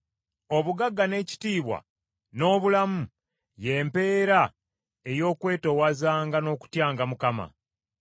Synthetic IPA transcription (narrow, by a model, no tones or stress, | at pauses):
o̞βuɡaɡːane̞ːci̥tiːβwa̰ | no̞ːβulamu | je̞ːmpe̞ːɾa | e̞jo̞ːkwe̞ːto̞wazaːŋɡano̞ːku̥tjaːŋɡamukama̰